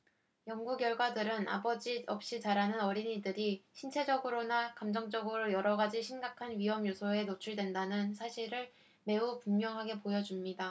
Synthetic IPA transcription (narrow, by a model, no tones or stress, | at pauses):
jʌŋɡuɡjʌɭɡwadɯɾɯnʔa̰bʌd͡ʑiʌp̚ɕ͈it͡ɕaɾanɯnʌɾiɲidɯɾiɕʰint͡ɕʰe̞d͡ʑʌɡɯɾonakamd͡ʑʌŋd͡ʑʌɡɯɾojʌɾʌɡad͡ʑiɕʰimɡakʰanɥiɦʌmjosʰʌe̞not͡ɕʰuɭdwe̞ndanɯnsʰaɕʰiɾɯɭ | me̞upuŋɲjʌŋɦaɡe̞pojʌd͡ʑumɲida